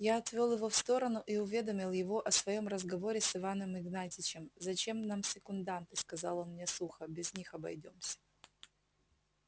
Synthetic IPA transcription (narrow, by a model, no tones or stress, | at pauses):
jaɐt̪vʲolˠjɪvo̞fst̪o̞ɾənʊʔiʊvʲe̞d̪əmʲɪlˠjɪvo̞ʔɐsvɐjo̞mrəzɡɐvo̞ɾʲɪsɨvanəmɪɡnatʲɪt͡ɕɪmzɐt͡ɕe̞mnamsʲɪkʊnd̪ant̪ɨskɐzɑlˠonmnʲesuxəbʲɪzʲnʲixɐbɐ̰jdʲo̞msʲə̥